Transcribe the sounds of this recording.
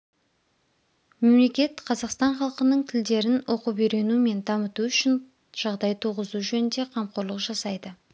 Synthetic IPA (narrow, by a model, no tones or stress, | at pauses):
me̞mle̞kʲe̞t̪qʰɑzɑqst̪ɑɴχɑlˠqənəɴt̪ʰɪld̪e̞ɾɪnwʔo̞qubeɾe̞nume̞nd̪ɑmət̪uʏʃɪn | ʒ̥ɑʁd̪ɑjt̪ʰuʁəzuʒɵnɪnd̪e̞qʰɑmqoɾlˠəqʒɑsɑjd̪ə